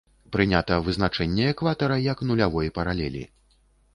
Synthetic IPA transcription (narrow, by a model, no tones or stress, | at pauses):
pɾɨnʲat̪ɐvɨznat͡ʂɛnʲːɛɛkvat̪ɐɾɐjɐknulʲavɔjpɐɾalʲɛlʲḭ